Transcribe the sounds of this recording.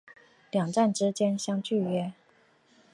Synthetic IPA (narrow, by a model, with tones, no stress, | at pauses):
ljɑ˨˩ŋʈ͡ʂa˥˩nʈ͡ʂɻ̩˥t͡ɕjɛ˥nɕjɑ˥ŋt͡ɕy˥˩ɥɛ˥